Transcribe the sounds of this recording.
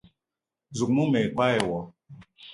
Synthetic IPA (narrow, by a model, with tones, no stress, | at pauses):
zu˨k̚mu˦mɛ˨k͡pa˦ɛ˨wɔ˨